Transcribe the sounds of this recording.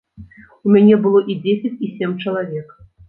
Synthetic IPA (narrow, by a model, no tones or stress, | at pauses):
umʲanʲɛbɨlˠɔʔid͡zʲesʲɪt͡sʲisʲemʲt͡ʂɐlˠavʲɛk